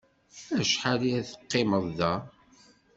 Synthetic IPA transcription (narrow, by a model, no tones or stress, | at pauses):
æʃħaliæθə̥qːɪməðˤːæ